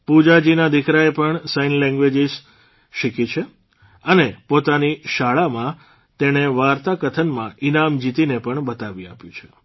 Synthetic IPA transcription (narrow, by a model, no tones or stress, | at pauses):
pud͡ʒad͡ʒinad̪ikɾaepəɳsainlɛ̃ŋɡʋed͡ʒiz | ʃikit͡ʃʰe | ənepot̪aniʃaɭamã | t̪eɽ̃eʋaɾt̪akət̪ʰənmãinamd͡ʒit̪inepəɳbət̪aʋia̰pjũt͡ʃʰe̥